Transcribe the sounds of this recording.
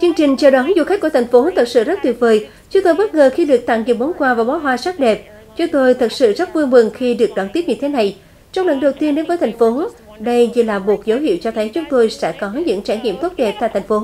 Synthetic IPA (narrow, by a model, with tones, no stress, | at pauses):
t͡ɕɨ˧əŋt͡ɕï˨˩ŋ̟t͡ɕɔ˧˩ɗɔ˨˦nzṵ˧˨xa˦˥k̟kət̪ʰa˨˩ŋ̟fo˨˦t̪ʰə˨˩t̚sɨ̰˧˨zə˦˥t̚t̪wi˨˩ət̚vəː˨˩j | t͡ɕʊ˨˦ŋ͡mt̪o˧jɓə˦˥t̚ŋəː˨˩xi˧ɗɨ˨˩ək̚t̪a̰˧˨ŋzɨ˨˩ɓo˨˦nkwaː˧vaː˨˩ɓɔː˨˦ɦwaː˨˧˦saː˦˥t̚ɗɛ˨˩p̚ | t͡ɕʊ˨˦ŋ͡mt̪o˧jt̪ʰə˨˩t̚sɨ̰˧˨zə˦˥t̚vu˧jmɨ˨˩ŋxi˧ɗɨ˨˩ək̚ɗɔ˨˦nt̪i˦˥p̚ɲɨ˧t̪ʰe˨˦na˨˩j | t͡ɕɔ˧wŋ͡mlə̰˧˨nɗə˨˩wt̪i˧ənɗe˨˦nvəː˨˦jt̪ʰjŋ̟fo˨˦ | ɗə˧jzi˨˩laː˨˩mo˨˩t̚zə˨˦whḭ˧˨əwt͡ɕɔ˧t̪ʰə˨˦jt͡ɕʊ˨˦ŋ͡mt̪o˧jsɛ̰˧˥kɔ˨˦ɲɨ̰˧˥ŋt͡ɕaː˧˩jɲḭ˧˨əmt̪o˦˥t̚ɗɛ˨˩p̚t̪a̰ː˧˨jt̪ʰŋ̟fo˨˦